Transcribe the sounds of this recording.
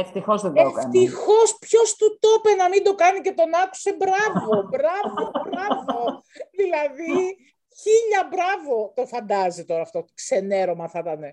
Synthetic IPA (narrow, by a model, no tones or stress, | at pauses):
eft̪ixo̞zðendeokɐnt̪ixo̞spço̞st̪ut̪o̞penɐmind̪o̞kɐnice̞t̪o̞nɐku̥se̞bɾɐvo̞bɾɐvobɾɐvo̞ðilɐði | çiʎɐbɾɐvo̞t̪o̞fɐnd̪ɐzit̪o̞ɾɐːft̪o̞kse̞ne̞ɾo̞mɐθɐt̪ɐne̞